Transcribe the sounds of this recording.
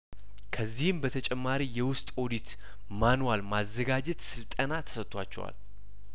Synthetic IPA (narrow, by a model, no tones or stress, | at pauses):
kʰəzːihɨmbət̪ʰət͡ʃʼɛmːaɾijɛwʊst̪ʼo̞d̪it̪ | manwalmazːəɡad͡ʒɛt̪sɨlt̪ʼənat̪ʰə̥sət̪ʼːwa̰t͡ʃːɛ̰wa̰l